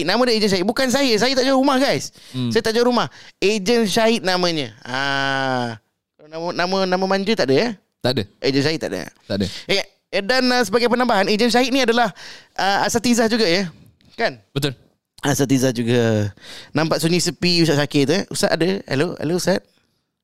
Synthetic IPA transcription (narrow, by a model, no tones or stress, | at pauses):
namə̃dəed͡ʒənʃaɦit̪̚bukansajəsajət̪aʔd͡ʒaəɾumahɡajssajət̪aʔd͡ʒawəɾumahed͡ʒənʃaɪt̪̚namə̃ɲə̃a | nanamə̃namə̃maɲd͡ʒət̪aʔdəjə | t̪aʔdəed͡ʒənʃait̪̚ːa̰ʔdə̰t̪aʔdə | danəsəbaɡajpənãmbaɦaned͡ʒənʃaɪt̪̚niadalahʔəasat̪izahd͡ʒuɡajə | kanbət̪ʊl | asat̪izahd͡ʒuɡa | nãmpat̪̚suɲisəpius̬aʔsakeʔt̪uʔṵsat̪adəa̰loa̰lousat̪̚